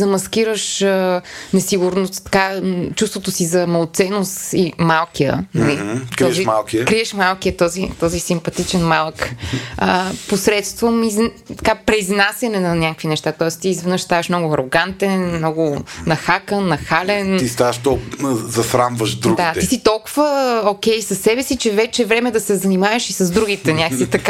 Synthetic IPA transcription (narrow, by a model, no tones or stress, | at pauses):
zɐmɐsk̟iɾəʃənɛsiɡʊɾnost̪t̪ɐ̥kat͡ʃust̪vot̪osizɐmɐlˠot̪sɛnosimalˠkijə̰nɐlikɾɔʃimalˠkiəkɾiɛʃmalˠkijət̪ɔzit̪ɔzisimpɐt̪it͡ʃɛnmalˠkəposɾɛt̪st̪vomiz | t̪ɐkapɾɛiznasʲɐnɛnɐnʲakəkvinɛʃt̪at̪ɔɛst̪iːzvɛnəʃst̪avɐʃmnɔɡʊɐɾoɡant̪ɛnmnɔɡʊnɐxakənːɐxalɛnist̪avəʃt̪ɔzɐsɾamvəʒd̪ɾuɡd̪iat̪ɛisit̪ɔlˠkʊvəok̟ɛjsɐsːɛbɛsit͡ʃɛvɛt͡ʃɛvɾɛmɛd̪ɐsɛzɐnimavɐʃisɐzd̪ɾuɡit̪ɛnʲakksit̪ɐk